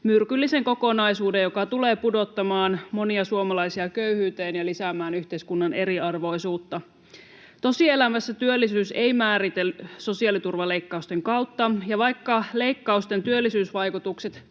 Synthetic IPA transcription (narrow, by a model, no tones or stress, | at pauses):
myrkylːise̞ŋko̞ko̞nɑjsuːdejjokɑt̪uleːpudo̞t̪ːɑmɑːnmo̞niɑsuomɑlɑjsiɑkøyhyːt̪eːnjɑlisæmæːnyçt̪eiskunːɑne̞ɾiɑrʋo̞jsuːt̪ːɑ | t̪o̞sie̞læmæsːæt̪yølːisyːsejmæːɾit̪elyso̞siɑlit̪urʋɑle̞ikːɑust̪eŋkɑwt̪ːɑjɑʋɑjkːɑle̞ikːɑust̪ent̪yølːisyːsʋɑjkut̪ukset̪